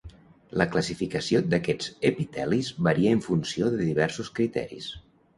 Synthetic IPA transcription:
ləkləsifikəsiod̪əkɛd͡zepit̪ɛlizβəɾiəəɱfunsioðəðiβɛɾsuskɾit̪ɛ̰ɾḭs

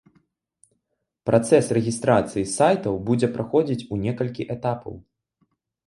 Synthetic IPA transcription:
pɾʔat̪sɛsrɛɣʲist̪ɾat̪sɨjisajt̪ɐwbud͡zʲɛpɾaxɔd͡zʲit͡sʲunʲɛkɐlʲkʲiʔɛt̪apʰɐ̰w

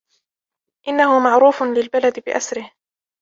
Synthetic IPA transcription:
ʔɪnːahʊmaʕɾuːfʊlɪlbalad̪ɪbɪʔasɾɪh

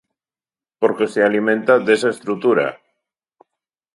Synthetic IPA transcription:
poɾkesealimẽnt̪aðesaest̪ɾut̪uɾa̰

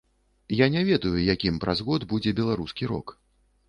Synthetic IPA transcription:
janʲɛvʲɛd̪ujujakʲimpɾʔazɣɔd̪bud͡zʲɛbʲɛlˠaɾuskʲiɾɔ̰k

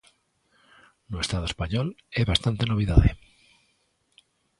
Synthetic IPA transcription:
noest̪að̞oespaɲoleβast̪ant̪e̞no̞β̞iðaðe

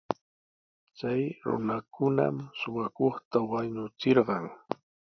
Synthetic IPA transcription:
t͡sajɾʊ̰nakʊna̰msʊwakoχt̪awaɲʊt͡sɪɾɢɑŋ

